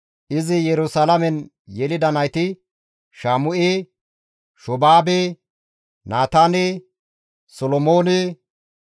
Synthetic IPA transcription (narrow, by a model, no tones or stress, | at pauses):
ʔɪzɪjɛɾʊsalɐmɛn | jɛlɪd̪ɐnɐjt̪ɪ | ʃaːmʊʔeː | ʃɔbaːbe | naːt̪aːne | sɔlɔmoːne